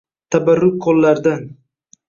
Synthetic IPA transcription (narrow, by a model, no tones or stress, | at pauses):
t̪ʰabaɾːʊk̚kʰːolːaɾd̪an